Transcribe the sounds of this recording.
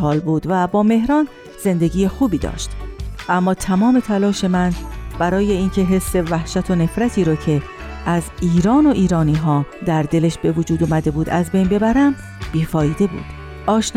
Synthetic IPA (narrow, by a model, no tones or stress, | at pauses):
hɒːlbuːd̪væbɒːme̞ɦɾɒːn | z̥e̞nd̪e̞ɟiːjexuːbiːd̪ɒ̰ːʃt̪ʔæmːɒːt̪ʰæmɒːme̞t̪ʰælɒːʃe̞mænb̥æɾɒːje̞iːncʰe̞ɦe̞sːe̞væhʃæt̪ʰo̞ne̞fɾæt̪ʰiːɾɒːcʰe̞ | ʔæziːɾɒːno̞ʔiːɾɒːniːɦɒːd̪æɾd̪e̞le̞ʃbe̞vod͡ʒuːd̪omæd̪e̞buːd̪æzbe̞jnbe̞bæɾæm | b̥iːfɒːjiːd̪e̞bṵːd̪̥ | ʔɒːʃn